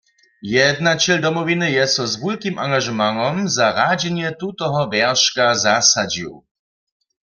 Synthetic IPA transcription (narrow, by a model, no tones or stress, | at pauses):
jɛd̪nat͡ɕɛld̪ɔmɔvinɨjɛstɔzvulkʲimʔaŋɡaʒmaŋɔmzaʁad͡ʑɛɲɛt̪ut̪ɔɦɔvjɛʁʃkazasad͡ʑḭw